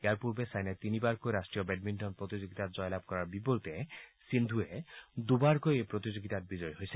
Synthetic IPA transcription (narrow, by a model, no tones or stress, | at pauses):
aɾpuɾbesajnat̪inibaɾkojɾasʈɾijɔbeɖ̚minʈɔnpɾɔt̪id͡ʒoɡit̪atd͡ʒɔjlab̚kɔɾaɾbipɔɾut̪esind̪ʱued̪ubaɾkojepɾɔt̪id͡ʒoɡit̪at̚bid͡ʒɔjɦojse̥